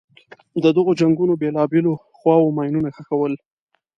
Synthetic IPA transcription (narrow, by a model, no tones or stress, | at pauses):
d̪əd̪əɣod͡ʒaŋɡunobelɑbelo | xwɑwomɑjnunaxəkawəl